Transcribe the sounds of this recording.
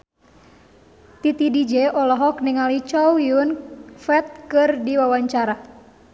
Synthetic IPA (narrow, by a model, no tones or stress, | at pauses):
t̪it̪idid͡ʒɛʔɔlɔɦɔkniŋalit͡ʃɔwiunfɛt̪̚kɨrdiwawaɲt͡ʃaɾa